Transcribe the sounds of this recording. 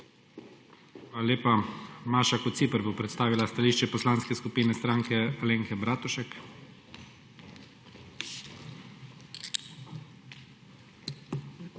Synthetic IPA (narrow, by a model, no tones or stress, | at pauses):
xʋaːlalʲeːpamaːʃakɔt̪t̪sipəɾbopɾɛt̪st̪aːʋilast̪aliːʃt͡ʃɛpɔslaːnskɛskupiːnɛst̪ɾaŋkɛaleŋkɛbɾaːt̪uʃɛk